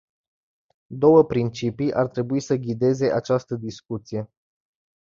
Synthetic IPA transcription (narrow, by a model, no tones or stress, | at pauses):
d̪o̞wəpɾint͡ʃipijʔart̪ɾe̞buisəɡʲid̪e̞ze̞ʔat͡ʃast̪əd̪iskut̪sije̞